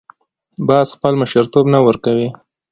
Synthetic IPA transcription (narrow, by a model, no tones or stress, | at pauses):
bɑzxpəlməʃəɾt̪obnawəɾkawi